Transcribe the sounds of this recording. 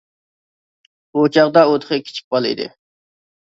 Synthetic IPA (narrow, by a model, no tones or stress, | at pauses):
but͡ʃʰɑʁd̪ɑot̪χəkʲʰi̥t͡ʃʰi̥k̚ʲbɑlˠḭd̪ɪ̰